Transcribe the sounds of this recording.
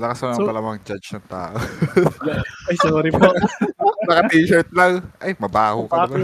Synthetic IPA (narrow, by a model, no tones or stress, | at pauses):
lɐkɐsɐnɐpɐlamɐŋd͡ʒad͡ʒnɐŋt̪a̰ːʔo | ɐjsoːɾɪpoʔonɐkɐp̪iːʃɛt̪̚lɐŋʔɐjmɐbaːhokɐba